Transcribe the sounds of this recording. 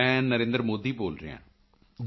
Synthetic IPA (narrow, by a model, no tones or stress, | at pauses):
ɛ̃ːnəɾẽːnd̪ɾmoːd̪iːboːlɾḛːã̰ː | d͡ʒ